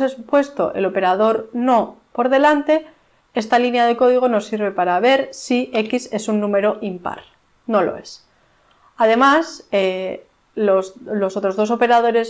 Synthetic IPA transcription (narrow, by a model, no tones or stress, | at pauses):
sespwe̞st̪o̞ʔḛlo̞pe̞ɾað̞o̞ɾno̞po̞ɾðe̞lant̪e̞ | e̞st̪alinjað̞e̞ko̞ð̞iɣ̞o̞no̞sːiɾβe̞paɾaβ̞e̞ɾsie̞kise̞sunːũme̞ɾo̞ʔimpa̰ɾ | no̞lo̞̰e̞s | aðe̞mase | oslosot̪ɾo̞zð̞o̞s̬o̞pe̞ɾað̞o̞ɾe̞s